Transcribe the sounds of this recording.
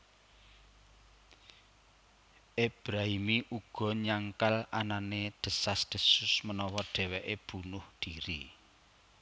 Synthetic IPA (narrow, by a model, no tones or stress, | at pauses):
ʔeb̥ɾaɦimiʔuɡ̥ɔ̤ɲaŋkalananed̪̥ə̤sasd̪̥ə̤sʊsmənɔwɔɖ̥ɛ̤weʔeb̥ṳnʊhd̪̥iɾi